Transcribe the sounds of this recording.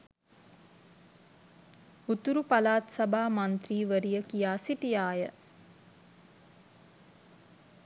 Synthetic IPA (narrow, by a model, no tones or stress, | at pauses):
ut̪uɾupalaːt̪sɐbʱaːmant̪ɾiːʋəɾijəkijaːsiʈijaːjə